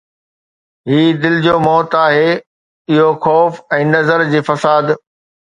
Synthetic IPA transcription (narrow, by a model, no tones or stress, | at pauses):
ɦiːd̪ɪlɪd͡ʑoːmɔːt̪aːɦeː | ɪɦoxɔːfɛ̃ːnɐzəɾd͡ʑiːfɐsaːd̪